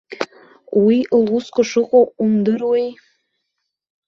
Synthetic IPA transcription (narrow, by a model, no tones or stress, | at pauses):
wilˠuskʷʼʊʂɨqʼoumd̪ɨɾwej